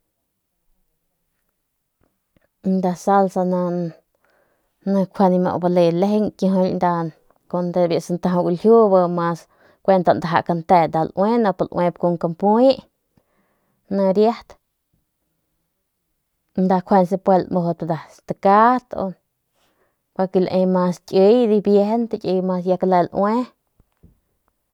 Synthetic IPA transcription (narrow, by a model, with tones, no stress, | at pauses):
nd̪a˧sa˧lsa˧na˧ | nã˧kʷʰe˧ni˧mo̰˧ʔba˧le˧le˧ɦe˦ŋkjĩ˧ɦõ˧lnd̪a˧ | ko˧nd̪e˧bji˧˨sa˧nt̪ã˧ã˧ɡu˧lhʲju˦ba˧mã˧s | kʷe˧nt̪a˧nd̪a˨ɦa̰˧˨ʔka˧nt̪e˧d̪a˧˨lʔwe˦nã˧pa˧lʔwʔẽ˧p̚ko˧ŋka˧mpi˦ʔ | nã˧ɾja˦ht̪ | nd̪a˧kʷʰe˧ns̬e˧pwe˧lmo˧ɦo˧pd̪a˨st̪a˧ka˦t̪o̰˧ | pa˧ki˧la˧ʔẽ˧mã˧st͡ʃʼə˧jd̪i˧bje˧hnt̪a˧kʲe˧jma˧sja˧ka˧le˧lʔwe˦